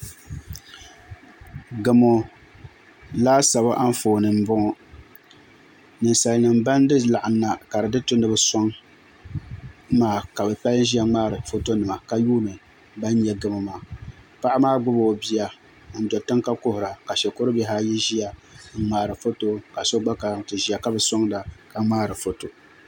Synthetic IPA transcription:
ɡɨ˨mo˨ | laː˦sa˨ba˦ʔa˦n˦foː˨nɨ˨m̩˦bʊ˦ŋɔ˦ | nɨ˨nsa˨lnɨ˨mba˦n˦dɨ˦la˨ʔa˨nːa˨ka˨ɾɨ˨dɨ˦tʊ˦nɨ˨bɨ˦sɔ˦ŋ | maː˦˨ka˨bɛ˨pɛ˦lʒi˦a˦ŋ͡maː˦ɾɨ˨fo˦to˦nɨ˨ma˨ka˦juː˦nɨ˨ | ba˦n˦ɲɛ˨ɡɨ˦ma˨maː˨ | pa˦ʔa˦maː˦ɡ͡bʊ˦bo˨bi˦ja˨˦ | n̩˦dɔ˨tɨ˦ŋka˦ko˦hʊ˨ɾa˨ka˨ʃɛ˨ko˦ɾɨ˦bɛ˦ɦaː˦jɛ˦ʒi˦a˨ŋ̩˦ŋ͡maː˦ɾɨ˨fo˦to˦ka˨so˦ɡ͡ba˦ka˨tɨ˨ʒi˦ja˨ka˦bɛ˨sɔ˦ŋda˨ka˨ŋ͡maː˦ɾɨ˨fo˨to˨

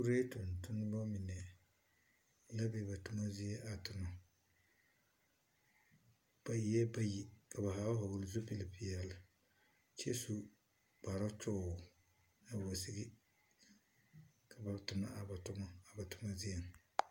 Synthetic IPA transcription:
ku˦ɾe˦tʊ˨n˨tʊ˦nː˦bɔ˦mi˨nɛ˨ | la˦bɛ˨ba˨tʊ˦ma˦zi˦ɛ˦ʔa˨tʊ˨na˨ | b̥a˦ji˦jɛ˦ba˦ji˦ka˨ba˨ɦa˨˦ɦa˨wʊ˨lzu˦pi˦li˨pi˦jɛ˨la˨ | t͡ʃɛ˦su˦ | b̥a˨ɾa˦t͡ʃɔ˦˨ | na˨wo˨sɪ˦ɡɪ˦ | kʰa˨ba˨tʊ˨na̰˦a˨ba˨tʊ˦ma˦a˨ba˨tʊ˨ma˦zi˦jɛ˦ŋ˨

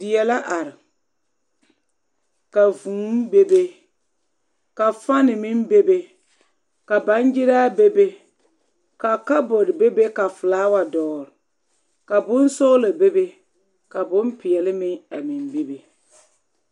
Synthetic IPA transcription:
dɪ˨jɛ˨la˦ʔa˨ɾɪ˨ | ka˨vũː˨˦m˦be˦be˦ | ka˨fa˦nɪ˨mɪ˦nbe˦be˦ | ka˨ba˨˦nd͡ʒɪ˦ɾaː˦be˦be˦ | ka˨ka˦bɔ˨ɾɪ˨be˦be˦ka˨fʊ˨laː˨˦wa˨dɔː˨ɾɪ˨ | ka˨bʊ˦n˦sʊ˦ɣla˨be˦be˦ | ka˨bʊ˦mpɪ˨jɛ˨lɪ˦mɪ˦a˨mi˨nbi˦be˨

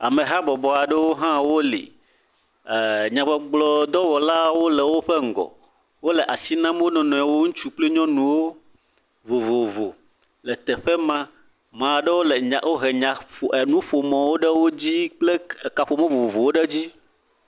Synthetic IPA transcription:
a˨mẽ˨ɦa˦bɔ˨bɔ˨a˨ɖe˦wo˦ɦã˦wo˦lḭ˨ | ɲã˨bɔ˨ɡ͡blɔ˨d̪ɔ˦wɔ˨la˦wo˦lɛ˨wo˦ɸe˦ŋ̩˨ɡɔ̰˨ | wo˦le˨ʔa˨si˦nã˦m˦wo˦nɔ̃˨nɔ̃˨a˨wo˦ŋũ˦t͡ʃu˦k͡ple˦ɲɔ̃˦nũ˨wo˦ | vo˨vo˨vo˨ | lɛ˨t̪ɛ˨ɸɛ˦mã˦ | mã˨ɖe˦wo˦le˨a˨wo˦ɦe˨ɲã˨o˨e˨nũ˦ɸo˨mɔ̃˨wo˦ɖɛ˦wo˦d͡ʑi˦k͡ple˦˨ka˨ɸo˨mɛ̃˦vo˨o˨vo˨wo˦ɖe˦d͡ʑi˦

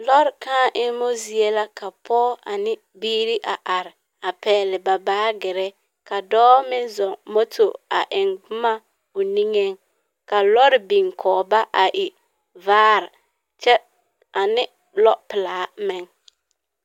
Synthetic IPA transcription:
lɔ˦ɾɪ˨kaː˦ʔɪ˦nmo˦zi˨e˦la˦kʰa˨pʰɔː˦a̰˨nɪ˦ | biː˦ɾi˦ʔa˨ʔa˨ɾɪ˨ | a˨pɛː˨lɪ˨ba˨baː˦ɡɪ˨ɾɛ˦ | ka˨dɔː˦mɪ˦nzɔ˨ŋmo˦to˨a˨ʔɪ˨ŋɡ͡bʊ˦ma˦ | ʊ˨ni˦ŋe˦ŋ | ka˨lɔ˦ɾɪ˨bi˨ŋkʰɔː˨ba˦ʔa˨ʔɪ˨ | vaː˦ɾɪ˨ | t͡ʃɛ˦ | a˨nɪ˦ | lɔ˦pɪ˨laː˨˦mɪ˦ŋ

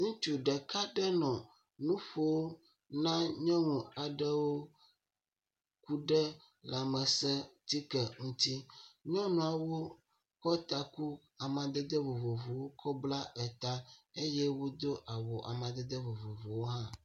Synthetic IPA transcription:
ŋũ˦t͡ʃu˨ɖɛ˨ka˦ɖɛ˦nɔ̃˨ | nũ˦ɸo˦wo˦ | nã˦ɲɔ̃˦ŋũ˨a˨ɖɛ˦wo˦ | ku˦ɖɛ˦ | la˨mɛ˨sɛ˦t̪i˦kɛ˨ŋũ˦t̪i˦ɲɔ̃˦nũ˨a˨wo˦ | kɔ˦t̪a˨ku˦ | a˨mã˨d̪ɛ˦d̪ɛ˦vo˨vo˨vo˨wo˦kʰɔ˦bla˦ɛ˨t̪a˦e˦jɛ˦wo˦d̪o˦ʔa˨wo˨ʔa̰˨mã˨d̪ɛ˦d̪ɛ˦vo˨vo˨vo˨wo˦ɦã˦

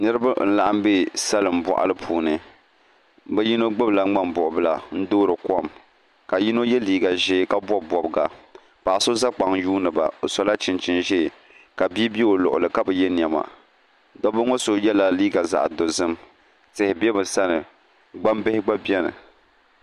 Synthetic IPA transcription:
nɨ˦ɾɨ˦ba˦n̩˨la˨ʔa˦mbe˦˨sa˦lɨ˨m̩˨bɔ̰˨ʔa̰˨lɨ˦pʰuː˨nɨ˨ | bɛ˦ji˦no˦ɡ͡bɨ˦bla˨ŋ͡ma˦mbʊ˨ʔʊ˨bɨ˦la˨n̩˦doː˦ɾɨ˨kɔ˦˨m | ka˨ji˦no˦jɛ˦liː˦ɡa˨ʒɛ˦ka˦bɔ˦bbɔ˨bɨ˨ɡa˨ | pa˨ʔso˦za˦k͡pa˨ŋjuː˦nɨ˨ba̰˨o˨sɔ˨la˦t͡ʃɪ˨nt͡ʃɪ˨nʒɛ˦˨ | ka˨bi˦bɛ˦o˨lʊ˨ʔʊ̰˨lɨ˨ka˦bɛ˨jɛ˦n˨ɛ˨ma̰˨ | dɔ˦bʊ˦ŋo˦so˨jɛ˦la˨liː˦ɡa˨za̰˨ʔdo˨zɨ˦m | tɪ˨hɪ˨bɛ˦bɨ˨sa˦nɨ˨ | ɡ͡ba˦mbɪ˦hɪ˦ɡ͡ba˦bɛ˦nɨ̰˨

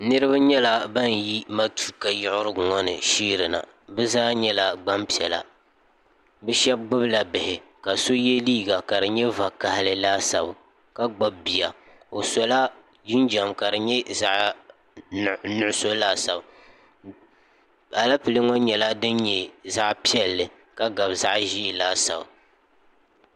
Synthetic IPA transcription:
nɨ˦ɾɨ˦βa˦ɲɛ˦la˦ba˦n˨ji˦ma˦tu̥˦ka˨jɪ˦ʔʊ˦ɾɨ˦ɡʊ˨ŋɔ˦nɨ˨ʃiː˦ɾɨ˨na̰˨ | bɛ˦zaː˦ɲɛ˦la˨ɡ͡ba˦mpi˨ɛ˨la̰˨ | bɛ˦ʃɛ˦b̚ɡ͡bʊ˦bɨ˦la˨bɪ˨hɪ˨ka˨so˦jɛ˦liː˦ɡa˨ka˨dɨ˨ɲɛ˦va˨ka˨hɪ˨lɨ˦laː˦sa̰˨b | ka˦ɡ͡ba˦b̚bi˨a˨ | o˨sɔ˨˦la˦ | d͡ʒi˦nd͡ʒa˨mka˨dɨ˨ɲɛ˦za˦ʔ | nʊ˦˨ʊ˦so˦laː˦˨sa˨b | a˨la˦pɨ˨lɨ˦ŋɔ˦ɲɛ˨la˦dɨ˦nɲɛ˨za˦ʔpi˦ɛ˦lːɨ˨ | ka˦ɡa˨bza˦ʔʒi˦˨laː˦sa̰˨b

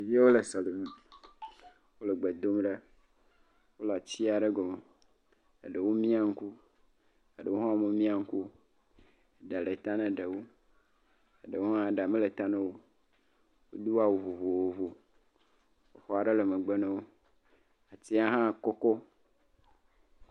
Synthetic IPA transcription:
je˦wo˦le˨sa˨le˨mũ˨ | wo˦le˨ɡ͡be˨d̪o˦mɖa˦ | wo˦lo˨a˨t͡ɕi˦a˨ɖe˦ɡɔ˨me˨ | a˨ɖe˨wo˦mĩ˦a˨ŋ̩˦ku˦ | a˨ɖe˨wo˦ɦã˦mẽ˦mĩ˦a˨ŋ̩˦ku˦ | e˨ɖa˨le˨t̪a˦nẽ˨ɖe˨wo˦ | e˨ɖe˨wo˦ɦã˦˨ɖa˨mẽ˦le˨t̪a˦nẽ˦wo˦ | wo˦d̪u˦wa˨wo˨vo˨vo˨wo˨vo˨ | wo˦xɔ˦a˨ɖe˦le˨me˨ɡ͡be˦nẽ˦wo˦ | a˨ti˦a˦ɦã˦˨kɔ˦kɔ˦

